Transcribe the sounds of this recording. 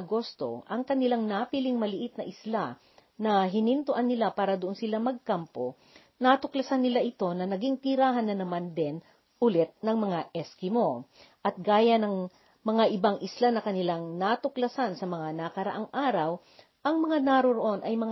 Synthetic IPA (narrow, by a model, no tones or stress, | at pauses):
ɡo̞st̪o̞̰ʔɐŋkɐnɪlaŋnapilɪŋmɐlɪʔɪt̪̚nɐʔɪsla | nɐɦɪnɪnt̪oʔanːɪlapaːɾɐd̪oʔo̞nsɪlamɐɡ̚kampo̞ | nat̪ʊklɐsanːɪlaʔɪt̪o̞nɐnɐɡiŋt̪ɪɾaːɦɐnːɐnɐmand̪ɛn | ʔʊlɛt̪̚nɐŋmɐŋaʔɛskɪmo̞ | ʔɐt̪̚ɡaːjɐnɐŋ | mɐŋaʔɪbaŋʔɪslanɐkɐnɪlaŋnat̪ʊklɐsansɐmɐŋanɐkɐɾɐ̰ʔaŋʔaːɾɐw | ʔɐŋmɐŋanaɾoɾoʔo̞nʔɐjmɐŋ